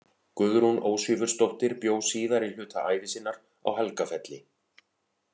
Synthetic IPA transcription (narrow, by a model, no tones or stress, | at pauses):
kʏɣɾunoːwsʏvʏɾ̥st̪oht̪ɪɾpjoːwsiːðaɾil̥ʏːt̪ʰaʔaːjvɪsɪnːaɾ̥ | a̰whɛlkafɛt̪lɪ